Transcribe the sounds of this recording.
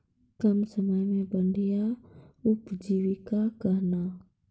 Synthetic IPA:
kɐmsəməjmẽbə̃ɳɖʱijaʊpd͡ʒiːʋikakɐɦnaː

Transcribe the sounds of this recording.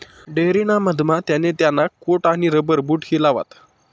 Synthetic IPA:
ɖeɾinaməd̪ʱmat̪janet̪janːakoʈaɽ̃iɾəbəɾbuːʈɦiːlaʋa̰t̪

